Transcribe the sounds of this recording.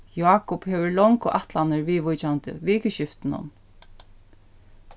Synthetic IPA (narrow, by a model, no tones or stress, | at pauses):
jaːkɔphɛːʋəɹlɔŋkʊʔat̪lanɪɹʋiːʋʊjt͡ɕant̪ɪ̰ʋiːkəʃɪft̪ɪnʊ̰n